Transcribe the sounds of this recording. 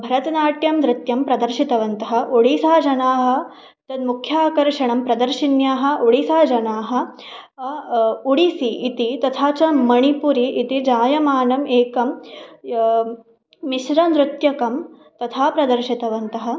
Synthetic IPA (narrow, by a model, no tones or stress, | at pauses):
bʱɐɾɐt̪ɐnaːʈjɐmd̪ɾɪt̪jɐmpɾɐd̪ɐɾʃit̪ɐʋɐnt̪ɐɦɐ̆ʔuɽisaːd͡ʒɐnaːɦɐ̆ | t̪ɐd̪mukʰjaːkɐɾʂɐɳɐmpɾɐd̪ɐɾʃinjaːɦɐ̆ʔuɽisaːd͡ʒɐnaːɦɐ̆ | uɽisiːt̪it̪ɐt̪ʰaːt͡ʃɐmɐɳipuɾiʔːt̪id͡ʒaːjɐmaːnɐmʔeːkɐm | iʃɾɐnd̪ɾɪt̪jɐkɐm | t̪ɐt̪ʰaːpɾɐd̪ɐɾʃit̪ɐʋɐnt̪ɐɦɐ̆